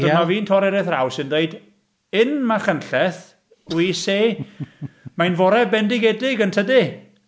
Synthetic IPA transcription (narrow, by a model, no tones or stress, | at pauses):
əmaviːntʰɔɾɛɾɛθrawsɨndeɨd | ɨnmaχənɬɛθ | wiːseː | majnvɔɾɛbɛndɪɡɛdɪɡəntʰədɪ